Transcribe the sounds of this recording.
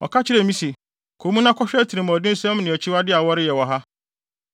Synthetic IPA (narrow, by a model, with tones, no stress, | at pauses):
ɔ̰˨kʰa˦t͡ɕʰɪ˦ɾɛ˨mĩ˦si˨ | kʰo˨˦mũ˦nã˦kʰɔ˦ɕᶣæ˦tʰi˨ɾĩ˨mã˨ɔ˨dɪ̃˦n̩˦sɛ̃˦mnɪ̃˨ɔ˨t͡ɕʰi˦wa˦dɪ˦a˨wɔ˦ɾɪ˦jɛ˨wɔ˨ɦa˦